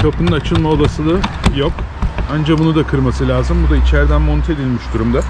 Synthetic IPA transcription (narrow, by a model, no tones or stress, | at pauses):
kʰapʰɯnɯnat͡ʃʰɯnˠmaolˠasɯd̪ˠajo̞kand͡ʒabunud̪akʰɯɾmasɯlʲaːzɯmbud̪ait͡ʃʰæɾd̪ænmont̪ʰe̞d̪ʲilʲmiʃd̪uɾumd̪a